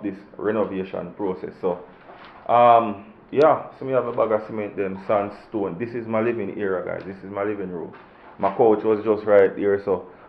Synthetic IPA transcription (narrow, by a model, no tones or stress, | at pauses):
d̪ɪsɹɛnoveːʃɔ̰̃npɹoːsɛ̰sːo | ʔʌm | jasomiavebaɡasimɛ̃n̚dɛ̃msãnstõːndɪsizmaɪlivɪ̃ŋḭɹaɡa̰ɪzdɪsizmaɪlivĩŋɹo̰ːl | maɪkʰoʊt͡ʃwɔzd͡ʒɔstɹaɪt̚diɹso